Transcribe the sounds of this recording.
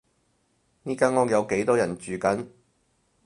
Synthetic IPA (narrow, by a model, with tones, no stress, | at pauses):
niː˥kaː˥nŋɔː˧˥k̚jɐ˨˧wke˨˥jt̪ɔː˥jɐ˨˩nt͡ʃyː˨˩kɐ˨˥n